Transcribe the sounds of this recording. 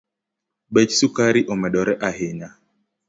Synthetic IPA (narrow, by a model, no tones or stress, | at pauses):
ɓɛt͡ʃsukaɾiʔɔmɛɗɔɾɛʔaɦeɲa